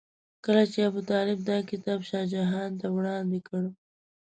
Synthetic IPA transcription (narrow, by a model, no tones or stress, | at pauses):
kəlat͡ʃeabʊt̪ɑlɪb̚d̪ɑkɪt̪ɑbʃɑd͡ʒaɦɑnt̪awɽɑnd̪ekəɽu